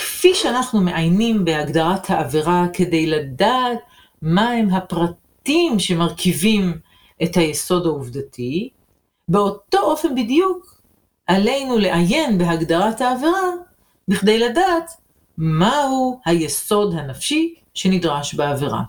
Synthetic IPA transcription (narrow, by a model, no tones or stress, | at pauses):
kfiʃeanaχnume̞ʔajnimbehaɡd̪aʁathaːveʁake̞de̞jladaːt | mahemɦapʁat | imʃe̞maʁkʰivim | ʔe̞thajeso̞dhauvdatʰi | be̞o̞to̞ʔo̞fe̞nbidjuk | ʔale̞jnuleʔaje̞nbe̞ɦaɡdaʁathaːveʁa | biχd̪e̞jladaːt̪ | mahuhajeso̞dhanafʃi | ʃe̞nidʁaʃbeaveʁa̰